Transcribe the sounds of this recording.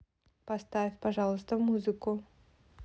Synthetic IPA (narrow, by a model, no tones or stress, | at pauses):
pɐst̪avʲfʲpɐʐɑlˠəst̪əmuzɨkʊ